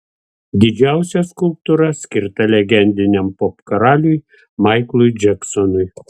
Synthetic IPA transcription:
d̪ʲɪd͡ʒʲæˑʊsʲɛskʊlˠp̚t̪uɾɐsʲkʲɪɾt̪ɐlʲɛɡʲɛnʲd̪ʲɪnʲɛmpɔpkɐɾɑːlʲʊj | mɑɪklˠʊjd͡ʒʲɛksɔnʊj

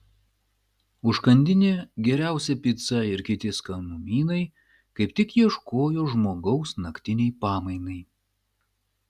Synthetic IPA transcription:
ʊʃkɐnʲd̪ʲɪnʲeːɡʲɛɾʲæˑʊsʲɛpʲit̪sɐɪɾkʲɪt̪ʲɪskɐnuːmʲiːnɐɪ | kɐɪpt̪ʲɪkjiɛʃkoːjoːʒmoːɡɐʊsnɐkʲt̪ʲɪnʲɛɪpɑːmɐɪnɐɪ

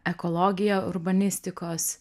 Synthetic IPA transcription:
ɛkolˠoːɡʲɪjoːʊɾbɐnʲɪsʲt̪ʲɪkoːs

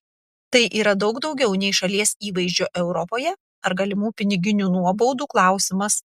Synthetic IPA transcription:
t̪ɐɪʔiːɾɐd̪ɒʊɡd̪ɒʊɡʲɛʊnʲɛɪʃɐlʲiɛsiːʋɐɪʒʲd͡ʒʲoːʔɛʊɾɔpoːjɛ | ɐɾɡɐlʲɪmuːpʲɪnʲɪɡʲɪnʲuːnuɔbɔʊd̪uːklˠɑˑʊsʲɪmɐs

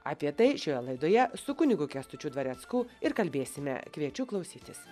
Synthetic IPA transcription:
ɐ̰ːpʲiɛt̪ɐɪʃʲoːjɛlˠɐɪd̪oːjɛsʊkʊnʲɪɡukʲɛst̪ʊt͡ʃʲud̪ʋɐɾʲɛt̪skuːɪɾkɐlʲbʲeːsʲɪmʲɛ̰kʋʲiɛt͡ʃʲuːklˠɐʊsʲiːt̪ʲɪs

